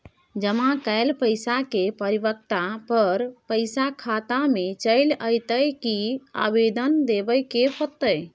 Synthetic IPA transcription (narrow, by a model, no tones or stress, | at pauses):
d͡ʒəmakəjlpəɪsakepəɾibək̚t̪apəɾpəɪsakʰat̪amet͡ʃəɪləjt̪əjkia̰bed̪ənd̪ebəjkeɦot̪əj